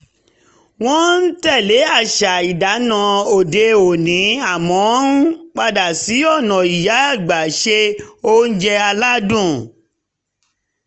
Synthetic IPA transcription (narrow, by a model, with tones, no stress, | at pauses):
w̃ɔ̃˦n̩˦tɛ˦˨le˨˦a˦˨ʃa˨i˨da˨˦nã˨˧˦o˨de˧o˨nĩ˨˦a˦˨mɔ̃˨˦nũ˦k͡pa˧da˨si˨˦ɔ˦˨nɔ̃˨i˨ja˨˦a˦˨ɡ͡ba˨ʃe˧o˦n̩˦d͡ʒɛ˧a˧la˦dũ˦˨